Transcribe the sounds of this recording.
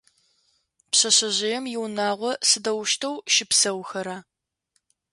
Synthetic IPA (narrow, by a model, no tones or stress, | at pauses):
pɕɐɕɐʑɪjɛmjɪwnaːʁʷɔsɨdɐwʃtʰɐwʃɪpsɐwxɐɾaː